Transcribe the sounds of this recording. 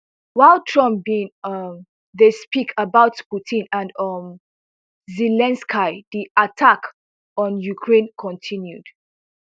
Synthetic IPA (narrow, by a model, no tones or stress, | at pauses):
waɪltʰɹɔ̃mpbĩnʌm | ðespikʰəbaʊtputʰĩnãnʌm | zɛlɛ̃nskʰaɪdiʔatʰak | ɔ̃njukʰɹẽnkʰɔ̃ntʰĩnjud̥